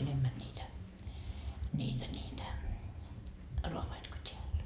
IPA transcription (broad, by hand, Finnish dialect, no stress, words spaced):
enemːæn nʲiːtæ nʲiːtæ nʲiːtæ roɑʋɑit ko tʲeæl